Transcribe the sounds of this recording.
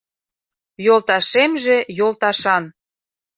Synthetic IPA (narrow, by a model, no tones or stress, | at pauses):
jolt̪ɑʃemʒĕjolˠt̪ɑʃɑn